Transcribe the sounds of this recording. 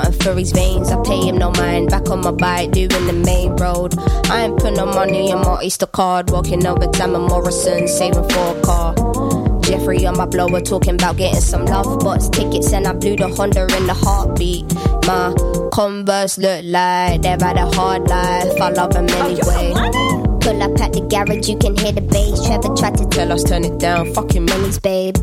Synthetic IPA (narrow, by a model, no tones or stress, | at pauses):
ə̰̃nfəɹizvẽɪ̃nzaɪpʰeɪɪ̃mnoʊmãɪ̃nbakə̃nmabaɪd̥ʉɪ̃ŋðəmẽɪ̃nɹoʊdʔaɪə̃mpʰʊɾ̃nəmaniə̃nmaʔistəkʰɑd̚wɔkɪ̃ŋoʊvətʰãɪməmɔɹəsə̃nseɪvɪ̃nfɔkʰɑɹ | d͡ʒɛfɹiə̃nmaɪbloʊwətʰɔːˑkɪ̃ŋəbaʊt̚ɡ̥ɛɾɪ̰̃ŋsʌ̃mlʌvbʌtstʰɪkɨtsɛ̃nablʉɾəhʌ̃ndə˞ɪ̃nðəhɑɹt̚b̥iʔ̚makʰɔ̃ɱvəslʊlaɪðevaɾəhɑːdlaɪfalʌvə̃mɛniweɪkʰʊləpʰæt̚ðəɡæɹɪd͡ʒjəkɨ̃nɦɪəðəbeɪsɛvətʰɹ̥atətʰɛləstʰɜːnɪd̥ãʊ̃nfʌkɪ̃ŋmɪ̃nizbeɪb̥